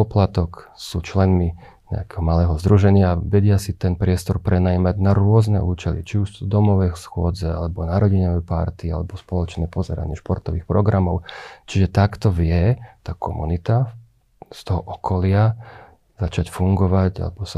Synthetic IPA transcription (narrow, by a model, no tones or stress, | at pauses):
pɔplat̪ɔksṵːt͡ʃlɛnmi | ɲɛ̰akɛːɦɔmalɛːɦɔzd̪ɾuʒɛɲɪaʋɛɟɪasit̪ɛnpɾɪɛst̪ɔɾpɾɛnajimaɟnaɾʊɔznɛ̰ʔuːt͡ʃɛlḭt͡ʃiuʒd̪ɔmɔʋɛsxʊɔd͡zɛalɛbɔnaɾɔɟiɲɔʋɛpaɾt̪ia̰lɛbɔspɔlɔt͡ʃnɛːpɔzɛɾa̰ɲɪɛʃpɔɾt̪ɔʋiːxpɾɔɡɾamɔʊt͡ʃiʒɛt̪akt̪ɔʋɪɛt̪aːkʰɔ̰mṵnit̪a | st̪ɔɦɔʔɔkʰɔlɪa | zat͡ʃacfuŋɡɔʋaɟa̰lɛbɔsa